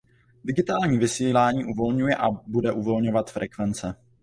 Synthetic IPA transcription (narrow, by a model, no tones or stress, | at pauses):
dɪɡɪt̪aːlɲiːvɪsiːlaːɲiːʔuvo̞lɲujɛʔabudɛʔuvo̞lɲo̞vat̪fɾɛkvɛnt͡sɛ